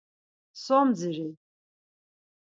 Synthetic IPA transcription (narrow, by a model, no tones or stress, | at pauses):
somd͡zɨrej